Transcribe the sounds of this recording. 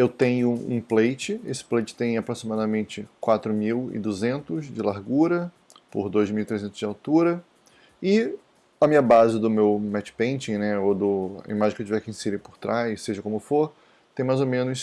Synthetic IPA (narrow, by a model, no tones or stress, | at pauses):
ewt̪ẽj̃ʊṵ̃plejt͡ʃɪesɪ̥plejt͡ʃɪ̥t̪ẽj̃apɾosimad̪ɐmẽnt͡ʃɪkwat̪ɾʊmiwɪ̰d̪uzẽnt̪ʊzd͡ʒɪlaɾɡuɾɐ | pʊɾd̪ojzmiuwit̪ɾezẽnt̪ʊzd͡ʒɪawt̪uɾɐ | ɪ | ɐmĩɲɐbazɪd̪ʊmewmɛt͡ʃɪ̥pẽnt͡ʃĩnɛod̪ʊa̰ḭmaʒẽkewʊt͡ʃivɛkĩj̃siɾɪpʊɾt̪ɾʔajsseʒɐkõmʊfoɾ | t̪ẽj̃majzomẽnʊs